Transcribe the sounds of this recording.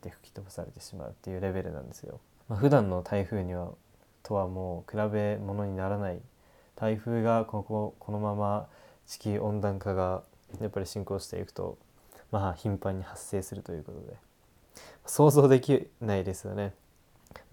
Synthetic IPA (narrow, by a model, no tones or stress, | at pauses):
t̪ːe̞ɸɯ̟̥kʲi̥t̪o̞bo̥saɾe̞t̪e̞ɕima̰ɯ̟t̪ːe̞jɯ̟ːɾe̞be̞ɾɯ̟̰nã̰nd̪e̞sɨjo̞̰ | maɸɯ̟d̪ãnːo̞t̪ʰaiɸɯ̟ːɲ̟iβ̞a | t̪ʰo̞βamo̞ːkɯ̟ɾabe̞mo̞no̞ɲ̟inaɾanai | t̪ʰaiɸɯ̟ːɡakokokʰo̞no̞mamat͡ɕi̥kʲiʔõ̞nd̪ãŋkaɡa | japːaɾʲiɕĩŋko̞ːɕi̥t̪e̞̰ḭkɯ̟̥t̪o̞̰ | maçĩmpãɲ̟ːihasːe̞ːsɨɾɯ̟t̪o̞jɯ̟ːko̞t̪o̞d̪e̞ | maso̞ːzo̞ːd̪e̞kʲinaid̪e̞sɨjo̞̰ne̞